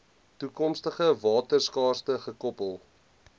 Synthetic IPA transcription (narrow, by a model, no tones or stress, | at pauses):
tukɔmstəχəvɑːtərskɑːrstəχəkɔpəlˠ